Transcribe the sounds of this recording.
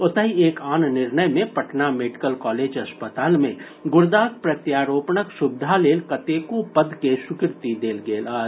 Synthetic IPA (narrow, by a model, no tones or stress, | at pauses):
ʊt̪əɦieːkaːnnɪɾnəjmẽpɐʈnameːɖɪkəlkɔːleːd͡ʒɐspət̪aːlmẽ | ɡʊɾd̪aːk̚pɾɐt̪jaːɾoːpɳəkʃʊb̚d̪ʱaleːlkɐt̪ekopəd̪keʃʊkɪɾt̪id̪eːlɡeːlaː